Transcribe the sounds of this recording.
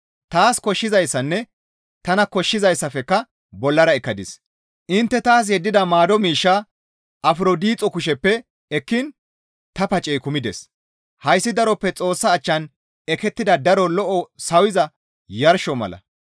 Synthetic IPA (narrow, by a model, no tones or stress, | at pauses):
t̪aːskɔʃːɪzɐjsːɐnːɛ | t̪ɐnɐkɔʃːɪzɐjsːɐfɛkːɐ | bɔlːɐɾɐɛkːɐd̪ɪs | ʔɪnt̪ːɛt̪aːs̬jɛd̪ːɪd̪ɐmaːd̪ɔmiːʃːa | ʔɐfɾod̪iːt͡sʼːɔkʊʃɛpːɛ | ɛkːɪn | t̪ɐpɐt͡ʃʼːɛjkʊmɪd̪ɛs | hɐjsːɪd̪ɐɾɔpːɛt͡sʼo̞ːsːɐːt͡ʃːɐn | ɛkɛt̪ːɪd̪ɐd̪ɐɾɔlɔʔɔsɐwɪzɐ | jɐɾʃɔmɐ̰lɐ̰